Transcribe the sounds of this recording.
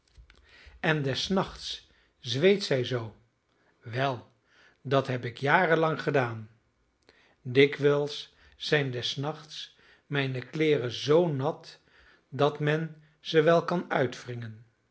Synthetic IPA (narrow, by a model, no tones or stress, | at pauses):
ɛndɛsnɑχts | zʋejtsɛjzow | ʋɛlˠ | dɑtɦɛpɪkjaːrəlɑŋχədaːn | dɪkʋɛlˠsː | ɛjndɛsnɑχts | mɛjnəklɪːrəzownɑt | dɑtmɛn | z̥əʋɛlˠkɑnœɥtfrɪŋən